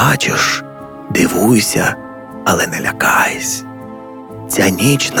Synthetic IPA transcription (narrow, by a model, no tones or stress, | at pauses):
at͡ʃɪʃ | d̪ɪʋujʊsʲɐ | ɐlˠɛnɛlʲɐkɑjesʲ | t͡sʲanʲit͡ʃn